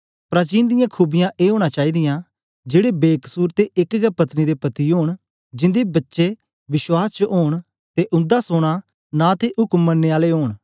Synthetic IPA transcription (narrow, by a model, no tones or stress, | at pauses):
pɾaːt͡ʃiːnd̪ɪjãːkʰuːbɪjãʔeːɦoːɽ̃aːt͡ʃaːiːd̪ɪjãː | d͡ʒeːɽeːbeːkəsuːɾt̪eʔɪkɡəpət̪nid̪eːpət̪iɦoːɽ̃ | d͡ʒɪ̃nd̪eːbətːʃe | ʋɪʃwaːst͡ʃəɦoːɽ̃ | t̪eʔʊ̃nd̪aːsoːɽ̃aː | nãːt̪ʰeːʔʊkəmːənːeːaːleːɦoːɽ̃